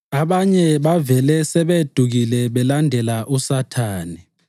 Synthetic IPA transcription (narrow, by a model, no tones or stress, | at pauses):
aɓaɲɛɓavɛlɛsɛɓed̥ʱuk̬ilɛɓɛlandʱɛlaʔusatʰaːni